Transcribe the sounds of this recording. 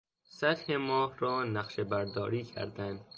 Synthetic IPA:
sæt̪hemɒːhɾɒːnæχʃebæɾd̪ɒːɾiːkʰæ̰ɾd̪ænd̪

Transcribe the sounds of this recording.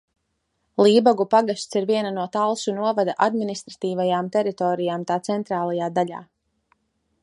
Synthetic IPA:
lˠiːbaɡupaɡast̪siɾviɛnanuɔt̪alˠsunuɔvad̪aʔad̪minist̪ɾat̪iːvajaːmt̪ɛɾit̪ɔːɾijaːmt̪aːt̪sɛnt̪ɾaːlˠajaːd̪aʎʲa̰ː

